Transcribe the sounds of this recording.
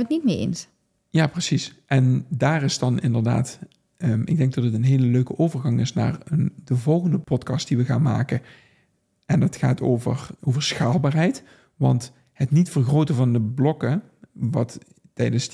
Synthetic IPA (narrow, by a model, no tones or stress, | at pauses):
ətnit̚mɪːɹḛns | jaːprəsisʔɛndaːrɪsdɑnʔɪ̰ndəɹda̰ːtː | ɪɡ̚dɛŋɡ̚dɑtətənɦeːləløɥkəʔowvərɣɑŋɪsna̰ːɹəndəvɔlˠɣəndəpɔtkɑst̚d̥iʋəɣa̰ːnma̰ːkə | ɛndɑtxaːtʰo̰wvə̰ɹʔowvəɹsxaːlˠbaːrɦɛjt | ʋɑ̰nt | hətnitfərɣrowtəvɑndəblɔkə | ʋɑt | tɛjdənz